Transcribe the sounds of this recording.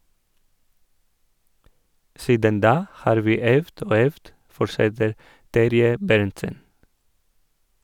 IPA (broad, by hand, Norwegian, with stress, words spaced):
ˈsiːdən ˈdɑː ˈhɑːɾ ˈʋiː ˈœʋd ˈoː ˈœʋd ˈfɔɾʃɛtəɾ ˈtæɾjə ˈbæɾntsən